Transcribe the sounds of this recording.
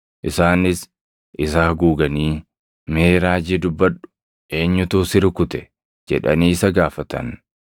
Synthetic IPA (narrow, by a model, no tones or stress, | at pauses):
ʔɪsaːnɪs | ʔɪsaːɡuːɡɐniː | meːɾaːd͡ʒid̪ʊbːɐᶑʊ̥ | ʔe̞ːɲːʊt̪uːsɪɾkʊt̪ɛ | d͡ʒɛᶑɐ̰niːɪsɐɡaːfɐt̪ɐ̰n